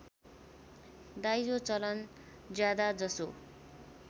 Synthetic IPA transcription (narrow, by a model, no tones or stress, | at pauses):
d̪ajd͡zot͡sʌlʌn | d͡zjad̪ad͡zʌso